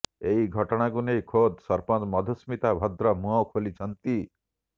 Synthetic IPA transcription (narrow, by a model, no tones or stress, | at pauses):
eɦiɡʱɔʈɔɽ̃akunejkʰod̪sɔɾpɔt̪mɔd̪ʱusmit̪abʱɔd̪ɾɔmuɦɔwkʰolit͡ʃʰɔnt̪i